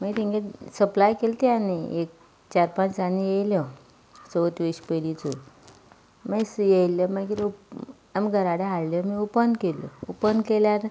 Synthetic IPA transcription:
məit̪ĩŋɡesəplajkelt̪ianiek̚ | t͡ɕaɾpãt͡ɕd͡zanijejljɔ | soət̪ʋiɕpəlit͡su | məsjejljəmakit̪u | amɡʱəɾaɽeɦaɽljɔmiupənd̪kelə̰upənd̪keljaɾ

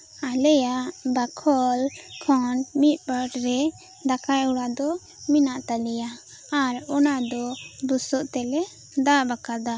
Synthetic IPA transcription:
alɛjaʔbakʰɔlkʰɔnmit̪̚ˀbəʈɾɛ | d̪akajuɽad̪ɔ | minaʔt̪alɛjaː | ɾɔnad̪ɔbusɔʔt̪ɛlɛ | d̪aʔbakad̪a

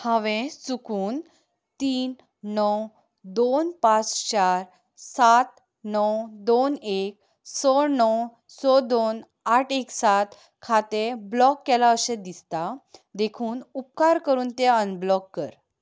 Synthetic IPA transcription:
hãʋẽsukʰuːn | t̪iːn | nəw | d̪onpat͡st͡ɕaɾ | sat̪ | nəwd̪onek̚ | sɔɾnəw | sɔd̪on | aʈʰeksat̪ | kʰat̪eblɔkːɛlaəsẽd̪ist̪ad̪ekʰuːnup̚kaɾkəɾuːnt̪eənblɔkːəɾ

